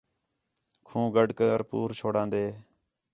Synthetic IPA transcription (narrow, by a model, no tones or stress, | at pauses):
kʰũːɡəɖkəəɾpṵːɾt͡ʃʰoːɽãːnd̪eː